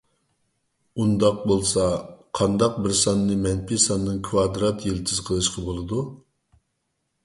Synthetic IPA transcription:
und̪ɑq̚bolˠsɑqʰɑnd̪ɑq̚bɪɾsɑnːɨmɛnpʰisɑnːɨnkʰwɑd̪ɾɑt̪jelt̪ʰɨz̥qʰəlˠɨʃqɑbolˠɨd̪u

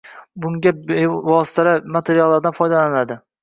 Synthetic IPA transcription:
bʊŋɡʲavɒsɪ̥t̪ʰalamat̪ʰeɾijalˠːaɾd̪anfɒjd̪alanɪnad̪ɪ

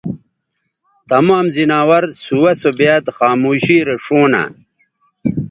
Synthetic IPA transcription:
t̪ɐmaːmzinaːwɐɾsuwɐsobaːt̪xaːmuːɕiːɾeʂoːna̰

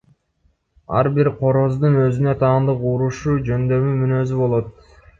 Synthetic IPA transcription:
ɑ̰ɾbiɾqʰo̞ɾo̞zd̪ɯnø̞zynø̞t̪ʰɑːnd̪ɯquɾuʃuːd͡ʒø̞nd̪ø̞mymynø̞zybo̞lˠo̞t̪̚

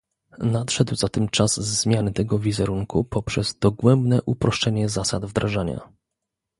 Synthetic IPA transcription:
nat̪ʂɛd̪wzat̪ɘmt͡ʂazːmʲjanɘt̪ɛɡɔvʲizɛɾuŋkʰupɔpʂɛzd̪ɔɡwɛmbnɛʔupɾʔɔʂt͡ʂɛɲɛzasa̰d̪vd̪ɾʔaʐaɲa̰

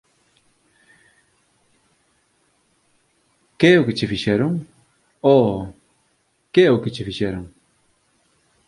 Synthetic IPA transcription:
keɛʊket͡ʃɪfiʃɛɾoŋ | o | keɛʊkɪt͡ʃefiʃɛɾoŋ

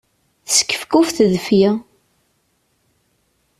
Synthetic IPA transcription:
θsə̥kːə̥fkufθəðfji

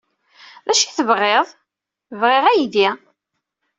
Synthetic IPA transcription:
ðæʃiθəvʁːeðˤ | vʁeʁæjiði

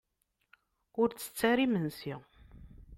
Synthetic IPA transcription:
ʊɾt͡sːə̥t͡sːæɾimənsi

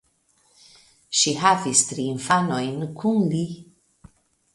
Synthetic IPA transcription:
ʃiɦavist̪ɾinfanojnkʰunli

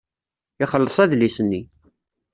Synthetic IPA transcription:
ɪχəlːəsˤæðlisənːi

